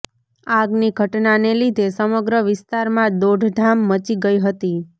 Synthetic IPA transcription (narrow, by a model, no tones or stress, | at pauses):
aɡniɡʱəʈnanelid̪ʱesəməɡɾəʋɪst̪aɾmãd̪oɖʱɖ̪ʱamːət͡ʃiɡəiɦət̪i